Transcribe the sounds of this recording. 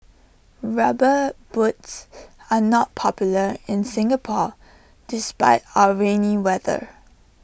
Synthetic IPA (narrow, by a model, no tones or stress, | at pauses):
ɹabəbutsanɔt̚pʰɔpjʊləɪ̃nsɪ̃ŋəpʰɔ | d̥ɪspaɪtaʊəɹẽniwɛðə̰